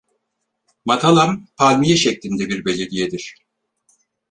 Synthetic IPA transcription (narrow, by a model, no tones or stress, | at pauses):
mat̪ʰalˠanpʰalʲmijɛʃɛclʲind̪ɛbiɾbe̞lʲed̪ijed̪iɾ̥